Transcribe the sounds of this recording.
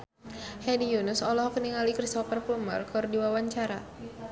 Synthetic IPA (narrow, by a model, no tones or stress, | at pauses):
hɛdijunʊsɔlɔhkəniŋalikɾist̪ɔpərpulma̰rkɨrdiwawaɲt͡ʃaɾa